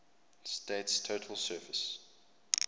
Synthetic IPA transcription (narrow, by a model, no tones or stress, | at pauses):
steɪtstʰoʊtʰəlˠsɜːˑvəs